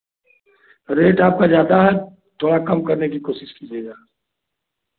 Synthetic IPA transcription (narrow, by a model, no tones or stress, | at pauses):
ɾeːʈaːp̚kad͡ʒjaːd̪aɦɛ | t̪ʰoːɽakɐmkəɾnekikoːʃɪʃkid͡ʒeːɡaː